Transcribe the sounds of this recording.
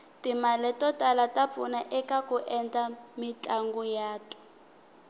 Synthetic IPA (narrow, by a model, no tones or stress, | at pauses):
timalɛtɔtʼalatap̪funaʔɛkakuʔɛnd͡ɮʼamit͡ɬʼaŋɡujaːtʼɔ̥